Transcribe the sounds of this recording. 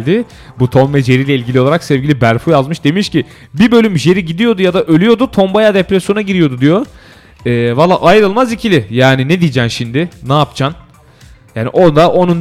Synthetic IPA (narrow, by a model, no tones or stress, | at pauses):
lʲd̪ɪ | but̪ʰo̞nvɛd͡ʒe̞ɾiːlʲɛilʲɟʲilʲioaɾaksɛvɟʲilʲibæɾfujazmɯʃd̪e̞miʃcɪ | bibø̞lʲymʒe̞ɾiɟid̪ijo̞d̪ujad̪aʔølʲyjo̞d̪ut̪ʰo̞mbajad̪epɾɛsjo̞naɟiɾijo̞d̪ud̪ijo̞ | ɛːvalˠːa̰ːʔajɾɯlˠmazicʰilʲɪjaːnined̪ijd͡ʒæmʃimd̪ɪnaːpt͡ʃʰan | jaːnḭʔo̞d̪aʔo̞nun